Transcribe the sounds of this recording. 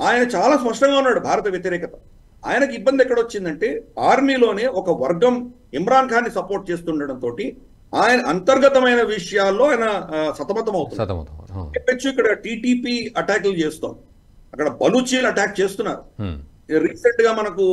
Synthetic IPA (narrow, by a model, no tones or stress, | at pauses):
aːjɐnɐt͡ʃaːlaːspɐʂʈɐŋɡaːunːaːɽubʱaːɾɐt̪ɐʋjɐt̪iɾɛːkɐt̪ɐ̥ | a̰ːjɐnɐkibːɐnd̪ɛkːɐɽɐʋot͡ʃːind̪ɐɳʈe̞ːaːɾmiːlo̞ːne̞ːʔɔkɐʋɐɾɡɐm | imɾaːŋkʰaːnːisɐpoːɾʈ̚t͡ʃe̞ːst̪uɳɖɐɽɐnt̪o̞ːʈi | aːjɐnɐʔɐnt̪ɐɾɡɐt̪ɐmɐjnɐʋiʂɐjaːlːo̞ːaːjɐnɐsɐt̪ɐmɐt̪ɐmɐwut̪un | epːet͡ʃːuikːɐɽɐʈiːʈiːpiːɐʈaːklut͡ʃeːst̪o̰ːnd̪i | ɐkːɐɽɐbɐlut͡ʃiːlɐʈaːk̚t͡ʃeːst̪unːa̰ːɾu | ɾiːseɳʈɡaːmɐnɐku